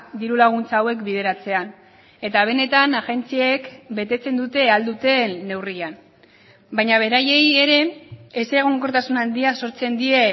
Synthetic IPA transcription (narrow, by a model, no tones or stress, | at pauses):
d̪iɾulaɣ̞unt͡saːwe̞kbiðe̞ɾat͡se̞an | e̞t̪aβ̞e̞ne̞t̪anaɣe̞nt͡siaekbe̞t̪e̞t͡se̞nd̪ut̪e̞ald̪ut̪e̞ːe̞wrian | bajɲaβ̞e̞ɾaje̞jeɾe̞ːseɣ̞o̞ŋko̞ɾt̪asunand̪iaso̞ɾt͡se̞nd̪ie̞